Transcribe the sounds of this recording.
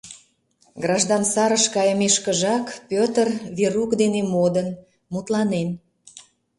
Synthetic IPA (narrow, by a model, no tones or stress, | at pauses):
ɡrɑʒd̪ɑnsɑɾəʃkɑjəmeʃkəʒɑkpʲøt̪ərβeɾukd̪enemod̪ən | mut̪lɑnen